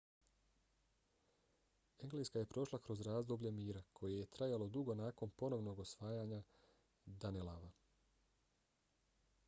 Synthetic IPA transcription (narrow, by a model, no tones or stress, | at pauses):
eŋɡleskaje̞pɾo̞ʃlˠakɾo̞zɾaːzd̪oblʎe̞miːɾakʰo̞jeje̞t̪ɾajalo̞d̪uɡo̞naːko̞npo̞no̞ʋno̞ɡo̞sʋaːjaːɲa | d̪anelaʋa